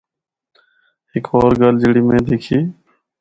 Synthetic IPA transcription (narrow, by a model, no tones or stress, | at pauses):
ɦɪkʰoːɾɡəld͡ʒɪɽiːmẽːd̪eːkʰiː